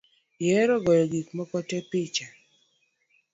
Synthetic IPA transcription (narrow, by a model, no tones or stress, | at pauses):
jɛɾɔɡɔjɔɡikmɔkɔtɛpɪt͡ʃa